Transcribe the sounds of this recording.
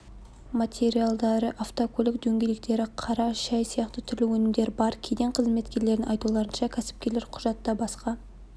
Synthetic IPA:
mat̪ʰʲe̞ɾijalˠd̪ɑɾəʔaft̪okʰolɪkd̪ɵŋɡʲe̞jlɪk̚t̪e̞ɾɪqʰɑɾɑʃɑjsijɑqt̪ət̪ʰʏɾlɪwɵnɪmd̪e̞ɾɪbɑɾkʲʰed̪eɴqʰəzme̞t̪kʲe̞ɾle̞ɾɪnɑjt̪ulˠɑɾənʃɑkʲʰæsɪ̥p̚kʲe̞ɾleɾqʰʊ̥ʒɑt̪ːɑbɑsqɑ

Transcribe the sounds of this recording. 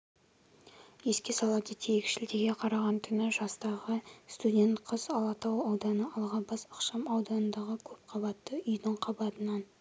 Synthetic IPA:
je̞skʲe̞sɑlˠɑd̪ət̪ʰejekʲʃɪld̪eɡʲe̞qʰɑɾɑʁɑnt̪ʰʏnɪʒɑst̪ɑʁəst̪udʲe̞nt̪qʰəz̥ɑlˠɑt̪ɑwɑwd̪ɑnəʔɑlˠʁɑbɑsəqʃɑmɑwd̪ɑnənd̪ɑʁəkʲʰɵp̚qʰɑbɑt̪ːəʏjd̪ɪɴqʰɑbɑt̪ənɑn

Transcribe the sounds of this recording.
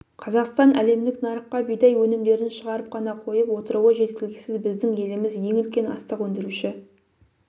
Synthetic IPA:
qʰɑzɑqst̪ɑnæle̞md̪ɪknɑɾəqːɑbijd̪ɑjwɵnɪmd̪e̞ɾɪnʃəʁɑɾəp̚qʰɑnɑqʰo̞jəpwo̞t̪əɾuwəʒe̞t̪̚kʲɪlɪɡʲɪsɪzbɪzd̪ɪŋje̞lɪmɪzje̞ŋʏlkʲe̞nɑ̰st̪əqwɵnd̪ɪɾuʃɪ

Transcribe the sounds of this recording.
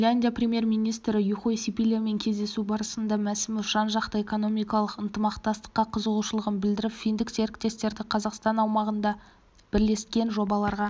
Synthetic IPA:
lʲanʲd̪ʲijaprʲemje̞ɾmijnijst̪ɾɪjuχojsipilʲeme̞ŋkʲʰe̞zd̪e̞subɑɾəsənd̪ɑmæsɪmɪfʃɑnʒɑqt̪əeko̞no̞mijkɑlˠəqənt̪əmɑqt̪ɑst̪ə̥qːɑqʰəzəʁuʃəlˠəʁənbɪld̪ɪɾɪpfijnd̪ɪkse̞ɾɪkt̪e̞st̪e̞ɾd̪ɪqʰɑzɑqst̪ɑnɑwmɑʁənd̪ɑ | b̥ɪɾle̞skʲe̞nʒo̞bɑlˠɑɾʁɑ

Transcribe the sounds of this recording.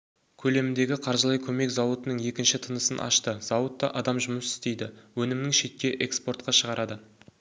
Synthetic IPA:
kʲʰɵle̞mɪnd̪e̞ɡʲɪqʰɑɾʒəlˠɑjkʲʰɵme̞kzɑwət̪ənəɴje̞kʲɪnʃɪt̪ʰənəsənʔɑ̰ʃt̪əzɑwət̪ːɑʔɑd̪ɑmʒʊməsɪ̥st̪e̞jd̪ɪwɵnɪmɪnɪŋʃe̞t̪̚kʲe̞ʔekspo̞rt̪̚qɑʃəʁɑɾʔɑd̪ə

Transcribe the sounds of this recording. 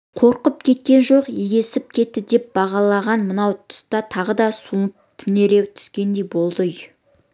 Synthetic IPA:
qʰo̞ɾqəp̚kʲʰe̞t̪̚kʲe̞nʒo̞qeɡʲe̞sɪp̚kʲʰe̞t̪ːɪd̪e̞p̚bɑʁɑlˠɑʁɑnmənɑwt̪ʰʊ̥st̪ɑt̪ʰɑʁəd̪ɑsunəp̚t̪ʰʏne̞ɾe̞wt̪ʰʏ̥skʲe̞nd̪e̞jbo̞lˠd̪əj

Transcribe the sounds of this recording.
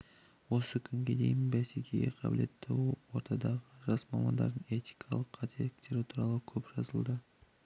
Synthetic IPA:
wo̞səkʲʰʏŋɡʲe̞d̪e̞̰jɪmbæsekʲejeqʰɑbɪ̰le̞t̪ʰːɪwo̞ɾt̪ʰɑd̪ɑʁəʒɑsmɑmɑnd̪ɑ̰ɾd̪əɴe̞t̪i̥jkʰɑlˠəqʰːɑt̪ʰelɪkt̪e̞ɾɪt̪ʰuɾɑlˠəkʲʰɵpʒ̥ɑzəlˠd̪ə

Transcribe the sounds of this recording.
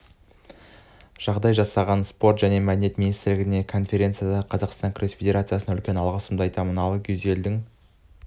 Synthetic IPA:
ʒ̥ɑʁd̪ɑjʒɑsɑʁɑnspo̞rt̪ʒæne̞mæd̪ɪne̞t̪minijst̪ɾlɪɡʲɪne̞kʰo̞nfʲe̞ɾe̞t̪sɨjad̪ɑqʰɑzɑqst̪ɑŋkʲʰrʲesfed̪ʲe̞ɾat̪sɨjasənɑʏlkʲe̞nɑlˠʁɑsəmd̪əɑjt̪ɑmənɑlˠəkʲʰʏze̞ld̪ɪŋ

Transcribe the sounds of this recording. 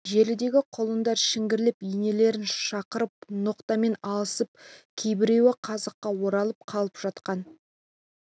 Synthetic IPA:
ʒe̞lɪd̪e̞ɡʲɪqʰolˠənd̪ɑɾʃɪŋɡʲɪɾlɪpijne̞le̞ɾɪnʃɑqəɾəp̚noqt̪ɑme̞nɑlˠəsəp̚kʲʰe̞jbɪɾe̞wɪqʰɑzəqːɑwo̞ɾɑlˠəp̚qʰɑlˠəpʒ̥ɑt̪qɑn

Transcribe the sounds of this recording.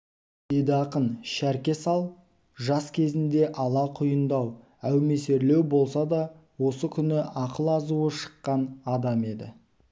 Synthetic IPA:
d̪e̞d̪ɪɑqənʃæɾkʲe̞sɑlˠ | ʒɑskʲʰe̞zɪnd̪e̞ʔɑlˠɑqʰʊjənd̪ɑw | æwme̞se̞ɾle̞wbo̞lˠsɑd̪ɑ | wo̞səkʲʰʏnɪʔɑqəlˠɑzuəʃə̥qːɑnɑd̪ɑme̞d̪ɪ

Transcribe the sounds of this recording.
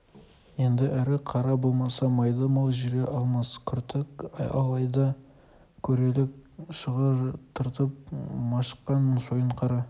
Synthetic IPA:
je̞nd̪ɪʔæɾɪqʰɑɾɑbo̞lˠmɑsɑmɑjd̪əmɑlˠʒɪɾʲeʔɑlˠmɑskʲʰʏɾt̪ɪkɑ̰lˠɑjd̪ɑ | kʲʰɵɾe̞lɪk̚ʃəʁəɾt̪ʰəɾt̪əp̚mɑʃə̥qːɑnʒojəɴqʰɑɾɑ

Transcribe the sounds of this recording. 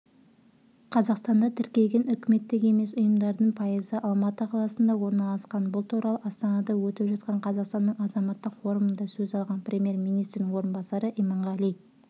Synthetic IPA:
qʰɑzɑqst̪ɑnd̪ɑt̪ʰɪɾkʲe̞lɡʲe̞nʏkʲɪme̞t̪ːɪɡʲe̞me̞sʊjəmd̪ɑɾd̪əɴpʰɑjəzəʔɑlˠmɑt̪əqʰɑlˠɑsənd̪ɑwo̞ɾnɑlˠɑsqɑnbʊlˠt̪ʰuɾɑlˠəɑst̪ɑnɑd̪ɑwɵt̪ɪpʒɑt̪̚qɑɴqʰɑzɑqst̪ɑnːəɴɑzɑmɑt̪ːəqfo̞ɾəmənd̪ɑsɵzɑlˠʁɑnprʲemʲje̞ɾmijnijst̪ɾɪnɪŋwo̞ɾənbɑsɑɾəʔijmɑɴʁɑlˠij

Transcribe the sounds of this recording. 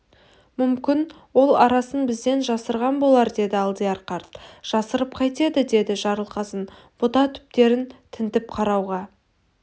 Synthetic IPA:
mʏmkʲɪn | wo̞lˠɑɾɑsənbɪzd̪e̞nʒɑsəɾʁɑnbo̞lˠɑɾd̪e̞d̪ɪɑlˠd̪ijɑɾqɑɾt̪ʒ̥ɑsəɾəp̚qʰɑjt̪e̞d̪ɪd̪e̞d̪ɪʒɑɾəlˠqɑsən | b̥ʊt̪ɑt̪ʰʏ̥p̚t̪e̞ɾɪnt̪ʰɪnt̪ɪp̚qʰɑɾɑwʁɑ

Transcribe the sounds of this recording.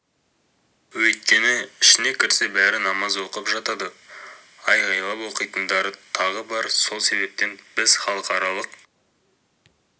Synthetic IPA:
wɵjt̪̚kʲe̞nɪɪʃɪne̞kʲʰɪɾse̞bæɾɪnɑmɑzwo̞qəpʒɑt̪ɑd̪ə | ɑjʁɑjlˠɑpwo̞qəjt̪ənd̪ɑɾət̪ʰɑʁəbɑɾso̞lˠse̞βe̞p̚t̪e̞nbɪzχɑlˠəqɑɾɑlˠəq

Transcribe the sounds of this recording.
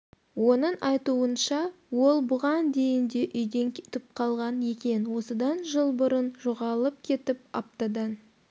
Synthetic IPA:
wo̞nəɴʔɑjt̪uənʃɑ | wo̞lˠbʊʁɑnd̪e̞jɪnd̪e̞ʔʏjd̪e̞ŋkʲʰe̥t̪ɪp̚qʰɑlˠʁɑnje̞kʲe̞nwo̞səd̪ɑnʒəlˠbʊɾənʒoʁɑlˠəp̚kʲʰe̞t̪ɪp̚ɑp̚t̪ɑd̪ə

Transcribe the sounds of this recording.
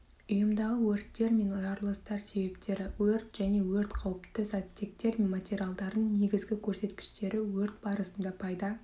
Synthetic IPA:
ʊjəmd̪ɑʁəwɵɾt̪ːe̞ɾme̞nʊjɑɾlˠəst̪ɑɾse̞be̞pt̪e̞ɾɪwɵɾt̪ʒ̥æne̞wɵɾt̪qʰɑwəpt̪əsɑt̪ʲːek̚t̪e̞ɾmenmat̪ʲeɾʲialˠd̪ɑɾd̪əɴne̞ɡʲɪzɡʲɪkʲʰɵɾse̞t̪kʲɪ̥ʃt̪e̞ɾɪwɵɾt̪̚bɑɾəsənd̪ɑpʰɑjd̪ɑ

